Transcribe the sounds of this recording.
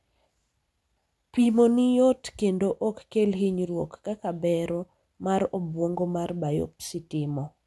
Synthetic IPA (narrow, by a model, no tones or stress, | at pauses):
pimonɪjotkendoʔokːelɦɪɲɾwokːakabɛɾo | maɾobwoŋɡomarbajo̰p̚sɪtɪmɔ